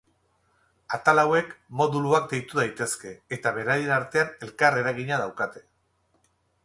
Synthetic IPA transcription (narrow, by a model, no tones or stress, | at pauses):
at̪alawe̞kmo̞ðuluak̚d̪e̞jt̪uðajt̪e̞ske̞ːt̪aβe̞ɾaje̞naɾt̪e̞ane̞lkare̞ɾaɣ̞iɲað̞awkat̪e̞̥